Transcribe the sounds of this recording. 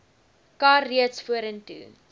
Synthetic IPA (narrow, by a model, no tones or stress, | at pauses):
kɑːiətsfuəɾəntṵ